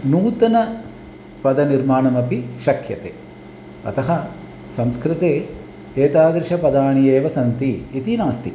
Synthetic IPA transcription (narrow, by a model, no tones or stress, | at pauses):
nuːt̪ɐnɐ | pɐd̪ɐniɾmaːɳɐmɐpiʃɐkʰjɐt̪ḛː | ɐ̰t̪ɐɦɐ | sɐmskɾɪt̪eː | eːt̪aːd̪ɾɪʃɐpɐd̪aːɳijeːʋɐsɐnt̪iːt̪inaːst̪i